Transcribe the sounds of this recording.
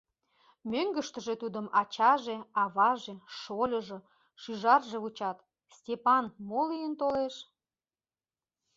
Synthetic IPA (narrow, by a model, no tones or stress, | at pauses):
møŋɡəʃt̪ə̆ʒe̽t̪ud̪əmɑt͡ɕɑʒeɑβɑʒe̽ʃolʲəʒɤ̆ | ʃyʒɑrʒeβut͡ɕɑt̪ | stʲepɑnmolijənt̪oleʃ